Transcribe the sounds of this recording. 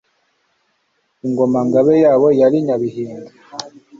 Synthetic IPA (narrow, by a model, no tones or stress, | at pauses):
iŋɡomaŋɡaβejaːβojaɾiɲaβiɦiːŋɡi